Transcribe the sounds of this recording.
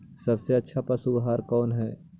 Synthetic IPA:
sɐbseɐtːʃʰapəsuɡɦaːɾkɔːnɦɛː

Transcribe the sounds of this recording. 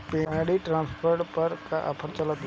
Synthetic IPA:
peaːɽiʈɾãːnspʰəɾʈpəɾkaʔɐ̰pʰəɾt͡ʃələt̪

